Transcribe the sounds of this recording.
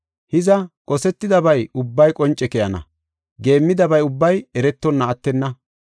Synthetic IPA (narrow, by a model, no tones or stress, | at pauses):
hɪzɐkʼɔsɛt̪ːɪd̪ɐbɐjʊbːɐjkʼɔnt͡ʃʼːɛkɛjɐnɐ̰ | ɡe̞ːmːɪd̪ɐbɐjʊbːɐjɛɾɛt̪ːɔnːɐːt̪ːɛnːɐ